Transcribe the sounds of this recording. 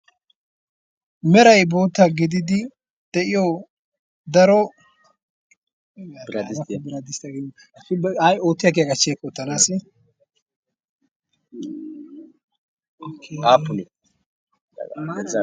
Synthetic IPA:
mɛɾɐjboːt̪ːaɡɪd̪ɪd̪ɪ | d̪̥ɛʔɪjɔ | d̪ɐɾɔ | ɐbɪɾɐd̪ɪst̪ɐɡ | ajoːt̪ːɪjɐk̬ejaɡɐt͡ʃːekʼːɔt̪ːɐnaːsɪ | aːpːʊn

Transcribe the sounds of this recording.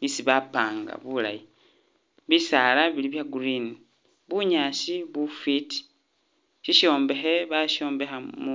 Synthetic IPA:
βisiβapaːŋɡa̰βula̰ji | βisalaβiliβjaɡuɾini | βuɲaːsiβufiti̥ | ʃiʃo̞ːmbe̞xe̞βaʃo̞ːmbe̞xamu

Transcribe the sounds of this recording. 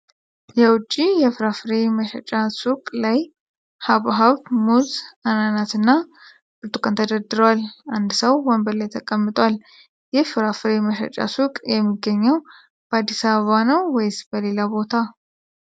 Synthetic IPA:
jɛwʊt͡ʃʼːijɛfɨɾafɨɾe̞məʃə̰t͡ʃʼasukʼlaj | haβɦaβmuzananat̪ɨnːa | bɨɾt̪ʼukʼənt̪ʰəd̪əd̪ɨɾəwaland̪səwwɔmbəlajt̪ʰəkʼəmːɨt̪ʼwal | jɛfɨɾafɨɾeməʃə̰t͡ʃʼa̰sukʼjɛmːiɡːəɲːəw | b̥əad̪ːisaβəβanəwwɔjsbəle̞labo̞t̪ʰa

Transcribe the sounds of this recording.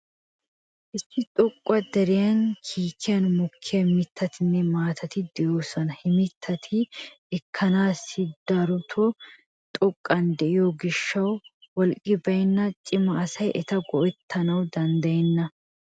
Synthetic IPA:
ʔɪsːɪt̪ʼɔkʼːɐd̪ɛɾɪjɐnkʰiːkʰːɪjɐnmʊkʰːɪjɐmɪt̪ʰːɐt̪ɪnːɛmaːt̪ʰɐt̪ɪd̪ɛjoːsɐnɐhɪmɪt̪ʰːɐt̪ʰɪː | kʰːɐnaːsɪd̪ɐɾʊt̪ʰɔ | t̪ʼɔkʼːɐnd̪ɛʔɪjɔɡɪʃːɐwwɔlkʼːɪbɐjnːɐt͡ʃʼɪmɐɐsɐjʔɛt̪ɐɡɔʔɛt̪ʰːɐnɐwd̪ɐnd̪ɐjɛnːɐ

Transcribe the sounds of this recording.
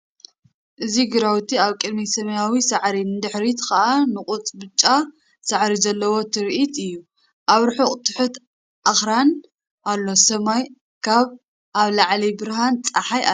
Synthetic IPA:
ʔɨziɡɨɾawt̪ʰiaβkʼɨd̪misɐmɐjawisaʕɾinɨd̪ɨħɾit̪kɐʔanɨqʼʊt͡sʼbɨt͡ʃʼːa | sɐʕɾizɐlːɐwo̞t̪ʰɨɾʔit̪ɨjːu | ʔaβɾħuχʼt̪ʰɨ̥ħut̪ | ʔaxɾan | ʔalːo̞sɐmaj | kʰaβ | ʔaβlaʕlibɨɾɦant͡sʼaħaja̰

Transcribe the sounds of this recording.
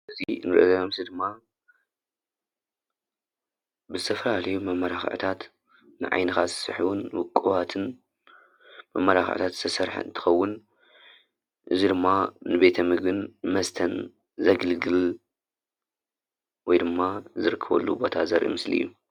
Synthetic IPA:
ʔɨzinɨɾɨ̰ʔzɐmsid̪ɨmːa | bɨzɨt̪ʰɐfɐlalɐjumɐmːɐɾaxʕ̰t̪ʰat̪ | nɨ̰ʕa̰jnɨxasɨ̥sɨ̰ħuwunwʊkʼːɨβat̪ʰɨn | mɐmːɐɾaxʕɨ̰t̪ʰat̪zɨ̥t̪ʰɐsɐɾħɨ̰nt̪ʰɨ̥xɐwːʊn | ʔɨzid̪ɨmːanɨbe̞t̪ʰɐmɨɡɨnːmɐst̪ʰɐn | zɐɡɐlɡɨl | wɔjd̪ɨmːazɨɾɨkʰːɐβɐ̰lːṵbo̞t̪ʰazɐɾʔḭmɨsliɨ̰jːu

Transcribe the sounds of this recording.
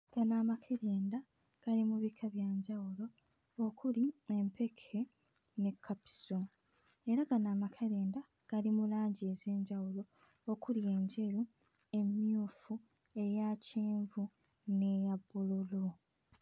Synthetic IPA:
ɡ̥anamakʰeɾeːnda | ɡ̥alimuβikʰaβjaːɲɟawulo̞ː | kuliempʰe̞kʰe̞ | ne̞kʰːapi̥so | e̞ɾaɡanaːmakʰeɾeːnda | ɡ̥alimulaːɲɟieze̞ːɲɟawulo̞ | okulje̞ːɲɟe̞ɾu | e̞mjuːfu | e̞jaceːɱvu | ne̞jabululo

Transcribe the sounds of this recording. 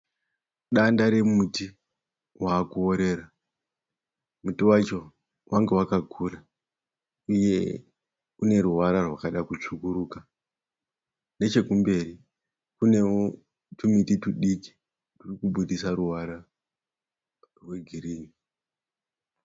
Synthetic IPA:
ɗandaɾemuti | waːkuoɾe̞ɾa | mutiwat͡ʃo̞ | wʔaŋɡe̞wakaɡʱuːra | uje̞ | une̞ɾuwaɾarwakaɗakut͡ʂukuɾuːka | ne̞t͡ʃe̞kumbe̞ri | kune̞o | tumitituɗiki̥ | turikuɓuɗisaɾuwaɾa | rwe̞ɡʱiriːni

